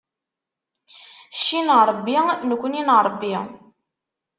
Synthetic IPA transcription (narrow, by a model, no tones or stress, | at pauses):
ʃːinɾˤbːinəkʷːninɾˤbːi